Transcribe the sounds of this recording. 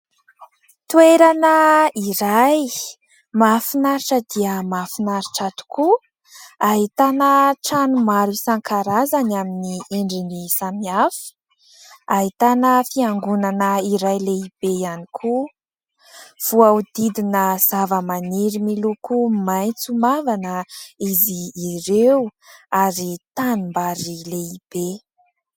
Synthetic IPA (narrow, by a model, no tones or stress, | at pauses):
t̪ueɾanəiɾaj | mafinaɾiʈ͡ʂəd̪iəmafinaɾiʈ͡ʂat̪u̥ku | aɦit̪anəʈ͡ʂanumaɾisaŋkʰaɾazanaminieɳɖ͡ʐinisamiafə̥ | aɦit̪anəfiaŋɡunanəiɾajleib̥ejanikʰu | v̥uaud̪id̪inəz̥avəmaniɾimilukumajnt͡sumavanəiziːɾeuaɾit̪anumbaɾileib̥e